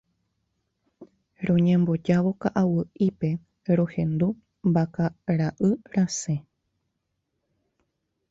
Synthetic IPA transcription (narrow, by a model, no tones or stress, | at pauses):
ɾõ̞ɲẽmbo̞d͡ʒaʋo̞kaʔawɨʔipe̞ | ɾõ̞hẽ̞nd̪u | mbakaɾaʔɨɾasẽ̞